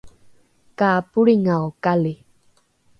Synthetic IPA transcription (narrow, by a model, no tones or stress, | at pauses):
kaːpuɭiŋaokali